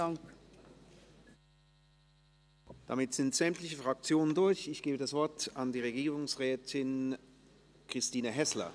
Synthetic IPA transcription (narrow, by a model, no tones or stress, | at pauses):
aŋ | d̥a̰mɪtz̥ɪntz̥ɛmtlɪçəfʁ̥ak̚t͡sjoːnəndʊɐçɪçɡ̥eːbədasv̥ɔɐtandiːʁeɡiːʁʊŋsʁɛːtʰɪn | kʁ̥ɪstiːnəɦɛslɐ̰